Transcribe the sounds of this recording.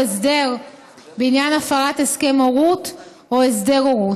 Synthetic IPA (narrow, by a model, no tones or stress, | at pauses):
esde̞ʁ | beinjanafaʁateske̞moʁut | oesde̞ʁoʁu